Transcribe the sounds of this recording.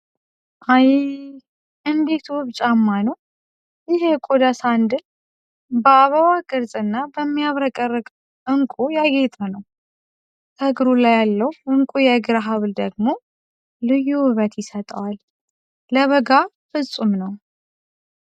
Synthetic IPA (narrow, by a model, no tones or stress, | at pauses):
ʔaj | ɨnd̪e̞t̪ʰwɨβt͡ʃʼamːanəw | jɪɦekʼod̪asand̪ɨn | bəaβəβaɡɨɾzʼɨnːabəmːijaβɾəkʼərːəɡʼ | ʔɨŋkʷʼujaɡet̪ʼənəw | t̪ʰəɡɾulajalːəwɨŋkʼujɛɡɨɾaɦaβld̪əɡmo̞ | lɨjːuɨβət̪jɪsət̪ʼəwal | ləβəɡa | fɨsʼumnəw